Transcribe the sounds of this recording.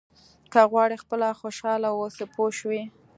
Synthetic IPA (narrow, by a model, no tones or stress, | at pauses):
kaɣwɑɽixpəlaxoʃɑlawosepʰoʃwi